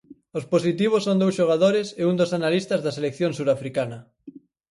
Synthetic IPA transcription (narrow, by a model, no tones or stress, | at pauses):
osposit̪iβ̞osːõnd̪owsʃoɣ̞aðoɾɪsɪund̪osanalist̪ɐzðɐselekθjõŋsuɾafɾikanɐ